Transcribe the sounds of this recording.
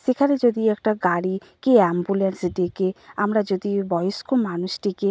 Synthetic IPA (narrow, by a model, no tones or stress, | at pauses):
sekʰaned͡ʑod̪iɛkʈaɡaɽi | keɛmbulensɖekeamɾad͡ʑod̪ibɔjoskulmanuʃʈike